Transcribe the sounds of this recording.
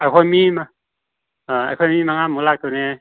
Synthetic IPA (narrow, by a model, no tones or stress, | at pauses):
ajkʰɔjmima | a̰jkʰɔjmimaŋamulak̚t̪ɯne